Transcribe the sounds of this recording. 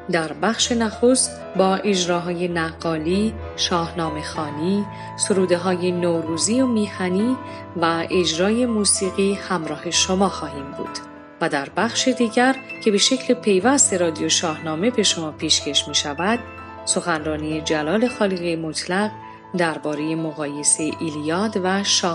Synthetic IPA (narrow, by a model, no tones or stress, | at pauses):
d̪æɾbæxʃe̞næxo̞st̪ | bɒːʔe̞d͡ʒɾɒːɦɒːje̞næɡːɒːliː | ʃɒːhnɒːme̞xɒːniː | soɾuːd̪e̞ɦɒːje̞noːɾuːziːomiːhæniː | væʔe̞d͡ʒɾɒːje̞muːsiːɣiːhæmɾɒːhe̞ʃo̞mɒːxɒːhiːmbṵːd̪̥ | væd̪æɾbæxʃed̪iːɟæɾcʰe̞be̞ʃe̞cʰlepʰe̞jvæst̪e̞ɾɒːd̪ijoʃɒːhnɒːme̞be̞ʃo̞mɒːpʰiːʃcʰe̞ʃmiːʃævæd̪̥ | so̞xænrɒːniːe̞d͡ʒælɒːle̞xɒːliɣimo̞t̪ʰlæɢ | d̪æɾbɒːɾe̞je̞mo̞ɣɒːje̞seeʔilijɒːd̪væʃɒː